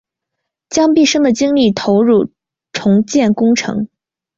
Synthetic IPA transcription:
t͡ɕjɑ˥ŋpi˥˩ʂɤ˥ŋd̪ə˨t͡ɕi˥ŋli˥˩t̪ʰo˧˥ʊɻu˥˩ | ʈ͡ʂʰʊ˧˥ŋt͡ɕjɛ˥˩nkʊ˥ŋʈ͡ʂʰɤ̰˧˥ŋ

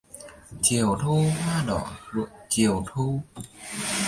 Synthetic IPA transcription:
t͡ɕi˨˩əwt̪ʰu˧hwaː˧ɗɔ˧˩˦lṵ˧˨t͡ɕi˨˩əwt̪ʰu˧

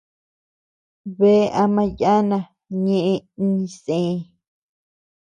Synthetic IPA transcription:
βe˦˧ʔa˧mã˧ja˦nã˧ | ɲẽ˦˧ʔẽ˧i˦ɲĩ˧sẽː˨˦˧

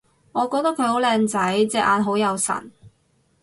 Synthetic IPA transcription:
ŋɔː˨˧kɔː˧k̚t̪ɐ˥kʰːɵ˨˧ɥho˨˥wlɛː˧ŋt͡sɐ˨˥jt͡sɛː˧k̚ʔaː˨˧nɦo˨˥wjɐ˨˧wsɐ̰˨˩n

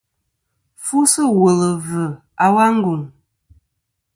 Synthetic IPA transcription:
fu˦sɨ˦wo˨lə˨və˨ | a˨wa˦ŋ̩˦ɡu˨ŋ

